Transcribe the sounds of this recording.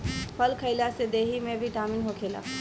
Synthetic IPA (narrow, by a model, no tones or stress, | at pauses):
pʰəlkʰəɪlased̪eːɦimẽbʱiʈaːminɦokʰeːla̰ː